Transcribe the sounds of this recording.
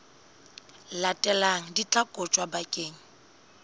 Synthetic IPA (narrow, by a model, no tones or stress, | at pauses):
latʼɛlaŋ̩dit͡ɬʼakʼɔt͡ʃʼwabakʼeːŋ̩